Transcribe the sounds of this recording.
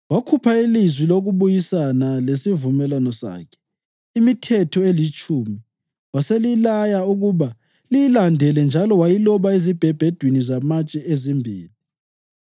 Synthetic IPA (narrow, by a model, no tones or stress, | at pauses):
wakʰupʰailizwiloɣuβujisanalesivumɛlwanɔsa̰ːkʰɛ̥ | imitʰɛtʰɔelit͡ʃʼuːmi | waselilajauɣuβa | lijilandʱɛlɛnd͡ʒʱalɔwajilɔβaezib̥ʱɛb̥ʱɛd̥ʱwinizamat͡ʃʼɛezimbʱḭːli